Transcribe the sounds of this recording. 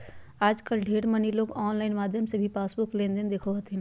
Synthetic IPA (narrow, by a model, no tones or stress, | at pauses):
aːd͡ʒkəlɖʱeːɽməniloːɡɔːnlaːɪnmaːd̪ʱjəmsebʱipaːsbʊklẽːnd̪end̪eːkʰoɐt̪ɦĩn